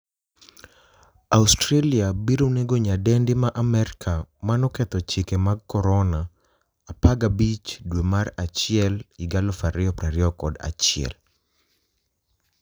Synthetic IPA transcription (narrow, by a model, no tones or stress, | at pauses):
austɾaliabiɾoneɡoɲadɛndɪmaʔamɛɾkʰamanɔkɛt̪ɔt͡ʃɪkemaɡkːɔɾɔnaː | paɡabit͡ʃdwemarat͡ʃɪɛliɡalɔfaɾɪɔpɾaɾɪɔkɔda̰t͡ʃɪɛ̰l